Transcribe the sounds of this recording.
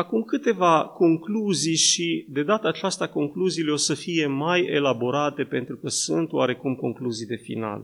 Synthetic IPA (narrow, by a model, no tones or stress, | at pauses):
akumkɨt̪e̞vako̞ŋkluzijʃid̪e̞d̪at̪əːt͡ʃast̪ako̞ŋkluziːleo̞səfije̞maje̞̰labo̞ɾat̪e̞pe̞nt̪ɾukəsṵnt̪waɾe̞kumko̞̰ŋkluzijd̪e̞fḭna̰l